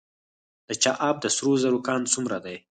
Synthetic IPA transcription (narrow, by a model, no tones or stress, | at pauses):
d̪̥ət͡ʃaʔɑb̚d̪əsɾozəɾokɑnt͡sumɾad̪aj